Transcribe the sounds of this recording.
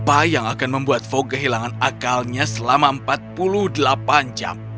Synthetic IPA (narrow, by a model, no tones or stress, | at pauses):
pajaŋakanməmbuat̪̚fokəɦilaŋanakalɲasəlamaəmpat̪̚puluhdəlapand͡ʒa̰m